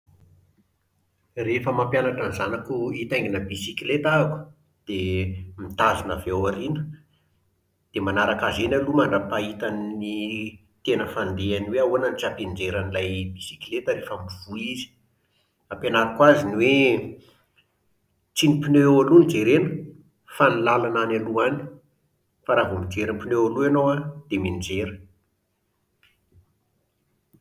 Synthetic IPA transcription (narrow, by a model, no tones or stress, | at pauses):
refəmampjanaʈ͡ʂanzanakuit̪aŋɡinəbisikilet̪aku̥ | d̪̥emit̪azina̰vewaɾinə̥ | d̪̥emanaɾakazenalumaɳɖ͡ʐapait̪anni | t̪enəfand̪eaniweaoananit͡sapend͡ʒeɾanilajbisi̥kilet̪əɾefamiv̥uizi̥ | apenaɾakwaziniwe | t͡sinipinøalunid͡ʒeɾenə̥ | fanilalananaluani̥ | faɾavumid͡ʒeɾimpinealuanowad̪̥emind͡zeɾə